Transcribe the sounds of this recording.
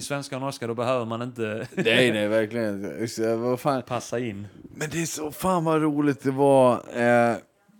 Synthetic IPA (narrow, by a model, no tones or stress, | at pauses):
ɪsvɛnskanɔʂkad̪ɔbɛhøːvəɾmanɪnt̪ənɛjnɛjvæɾklɪɡənɪsvafaːnpʰasːaɪnːmɛnd̪ɛːsɔfaːnvaɾuːlɪt̪̚d̪ɛva